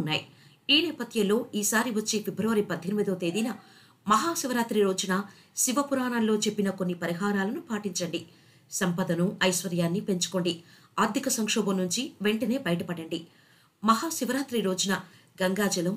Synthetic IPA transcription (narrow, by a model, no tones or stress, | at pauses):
nːa̰ːji | iːnɛːpɐt̪jɐllo̞ːʔiːsaːɾiʋɐt͡ʃːe̞ːfebɾɐʋɐɾipɐd̪ʱːɐnimid̪oːt̪e̞ːd̪inɐ | mɐɦaːʃiʋɐɾaːt̪ɾiɾo̞ːd͡ʒunɐ | siʋɐpuɾaːnɐnlo̞ːt͡ʃe̞pːinɐko̞nːipɐɾiɦaːɾaːlɐnupaːʈiɲt͡ʃɐɳɖi | sɐmpɐd̪ɐnuɐjʃʋɐɾjaːnːipe̞ɲt͡ʃu̥ko̞ɳɖi | aːɾd̪ʱikɐsɐŋkʂɔːbɐmnuɲt͡ʃiʋe̞ɳʈɐne̞ːbɐjʈɐpɐɽɐɳɖi | mɐɦaːʃiʋɐɾaːt̪ɾiɾo̞ːd͡ʒunɐɡɐŋɡaːd͡ʒɐlɐm